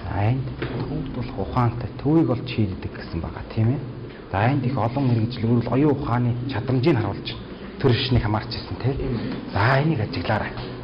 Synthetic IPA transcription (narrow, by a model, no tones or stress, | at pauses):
æjnt̪t̪ʰuːt̪ʊɮ̆χʊχaːn̥t̪ʰæːt̪ʰuːiːkɔɮt͡ɕʃiːt̪̆t̪ːɘ̆kɡesɘ̆mpæ̰ːʁa̰ːt̪ʰiːmeː | t͡sajnt̪ixɔɮɞ̆ŋmeɾ̆ɣɘ̆t͡ɕɮɣuːɾɘ̆ɮɔjʊːʊχaːniːt͡ɕʰat̪ə̆mt͡ɕiːnχaɾʊːɮt͡ɕʰɪ̥̆n | t̪ʰeɾeʃniːkxamaːr̥t͡ɕʰɪsə̆n̥t̪ʰeːt͡sajniːkat͡ɕɪ̆ɣɮaːɾæː